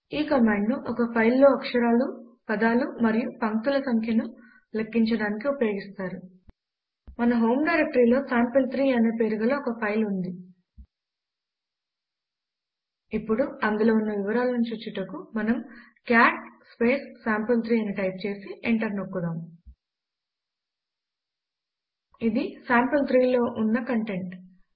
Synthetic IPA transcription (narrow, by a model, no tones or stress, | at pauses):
iːkɐmaːɳɖnuʔɔkɐpʰɐjlːo̞ːɐkʂɐɾaːlupɐd̪aːlumɐɾijupɐŋk̚t̪ulɐsɐŋkʰjɐnu | lɐkːiɲt͡ʃɐɽaːnikiupɐjo̞ːɡist̪aːɾu | mɐnɐɦo̞ːmɖɐjɾek̚ʈɐɾiːlo̞ːsaːmpɐlt̪ɾiːɐneːpe̞ːɾuɡɐlo̞ːkɐpʰɐjlund̪i | ipːuɽuɐnd̪ulo̞ːunːɐʋiʋɐɾaːlɐnunɲt͡ʃuːt͡ʃiʈɐkumɐnɐm | kjaːʈspe̞ːsːaːmpɐlt̪ʰɾiːɐniʈɐjp̚t͡ʃe̞ːsiʔeɳʈɐɾnokːud̪aːm | id̪isaːmpɐlt̪ɾiːlo̞ːʔunːɐkɐɳʈe̞ɳʈ